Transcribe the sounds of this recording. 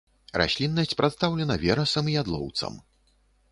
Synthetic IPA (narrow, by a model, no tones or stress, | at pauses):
ra̰sʲlʲinːɐsʲt͡sʲpɾat̪st̪awlʲɛnɐvʲɛɾɐsɐmijad̪lˠɔ̰wt̪sɐ̰m